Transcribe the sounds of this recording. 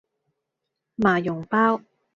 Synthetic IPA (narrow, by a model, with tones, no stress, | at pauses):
maː˨˩jʊ˨˩ŋpaː˥w